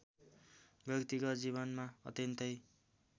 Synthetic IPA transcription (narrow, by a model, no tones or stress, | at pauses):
bʱjʌkt̪ikʌd͡ziβʌnmaʌt̪jʌnt̪ʌj